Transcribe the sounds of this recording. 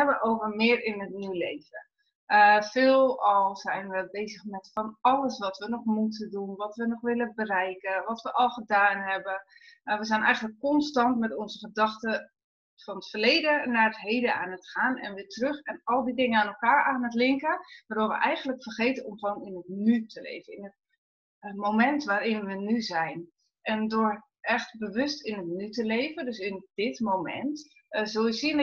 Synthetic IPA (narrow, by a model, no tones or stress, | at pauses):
ɛbəʔowvərmɪːrɪnətnyleːvə | əfɪːlˠɔlˠzɛjnʋəbeːzəxmɛtfɔnɔləsʋɔtʋənɔxmutədunʋɔtʋənɔxʋɪləbərɛjkəʋɔtʋəʔɔlˠxədaːnɦɛbəʋəzɛnʔɛ̰jɣənləkːɔnstɑntmɛtonzəxədɑxtə | fɔnətfərleːdənaːətɦejdəaːnətχaːnɛ̰nʋɪtrøxɛnɔlˠdidɪŋəaːnolˠkaːɹaːnətlɪŋkəʋaːdʊːɹʋə̰ʔɛjɣənləkfərχejtənɔmχəʋonɪnətnytʰəlḛjvənɪnət | momɛntʋaːrɪnʋənyzɛjn | ʔɛndʊɹ | ʔɛxtbəʋʏstɪnətnytəlejvəndøsɪndɪtmowmɛ̰nt | zolˠjəsiən